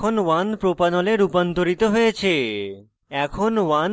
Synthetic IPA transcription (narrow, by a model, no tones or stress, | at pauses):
onʋanpɾopanɔleɾupɔnt̪oɾit̪oɦojet͡ɕʰe | ɛkʰonʋan